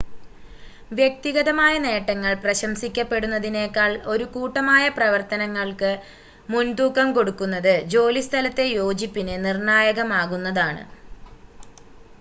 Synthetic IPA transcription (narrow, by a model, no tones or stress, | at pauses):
ʋjek̚t̪iɣɐðɐmaːjɐne̞ːʈːɐŋːɐɭprɐɕɐmsikʲːɐpːe̞ɽunːɐðine̞ːkːaːɭo̞ɾukuːʈːɐmaːjɐprɐʋɐrt̪ɐnɐŋːɐɭkɨ | mund̪uːkːɐmko̞ɽukːunːɐðɨd͡ʑo̞ːlist̪ʰɐlɐt̪ːe̞jo̞ːd͡ʑipːinɨnirɳaːjɐɣɐmaːɣunːɐðaːɳɨ̰